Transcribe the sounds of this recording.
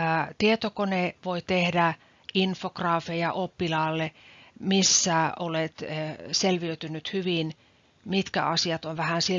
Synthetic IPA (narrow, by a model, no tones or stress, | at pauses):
t̪iet̪okoneʋoit̪ehdæ | infokrɑːfejɑʔopːilɑːlːemisːæʔolet̪selʋiøyt̪ynːyt̪hyʋin | mit̪kæ̰ɑsiɑt̪oʋʋæhænsi